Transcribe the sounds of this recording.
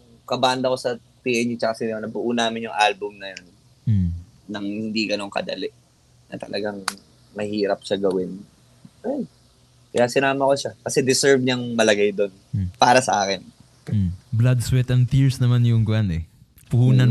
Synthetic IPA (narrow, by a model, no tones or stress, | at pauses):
ŋ | kɐband̪ɐko̞sɐt̪iʔɛnit͡ʃɐkɐsɪnonɐbʊʔuːnaːmɪnjʊŋʔalbʊmnɐjon̩ | ɐŋhɪnd̪iɡɐno̞ŋkɐ̰d̪ɐ̰lɛ | nɐ̰t̪ɐ̰lʔɐɡaŋ | mɐhiːɾɐp̚ʃaɡɐwɪn | ʔaj | kɐjasɪnaːmɐko̞ʃakɐsɛd̪ɪsɛɹvɲɐŋmɐlɐɡajd̪o̞npaːɾɐsɐ̰ʔaːkɪn̩ | blad̪swɛt̪ɐnt̪iɹsnɐmanjʊŋɡɐʔanɛ | pʊhuːnɐn